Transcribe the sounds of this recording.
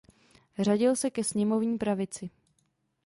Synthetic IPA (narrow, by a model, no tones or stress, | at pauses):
raɟɪlsɛkɛsɲɛmo̞vɲiːpɾavɪt͡sɪ